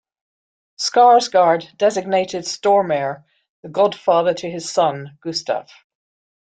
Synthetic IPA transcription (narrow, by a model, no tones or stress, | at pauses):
skɑɹzɡɑɹdɛzɨɡ̚neɪɾɨd̥stɔɹmɛɹ | ðəɡɑd̥fɑðə˞ɾʰɨɨz̥sʌ̃nɡ̥ʉstʰa̰f